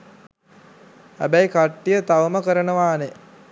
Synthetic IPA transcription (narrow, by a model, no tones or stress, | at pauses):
hæ̰bæjkaʈːijət̪aʋəməkəɾənəʋaːne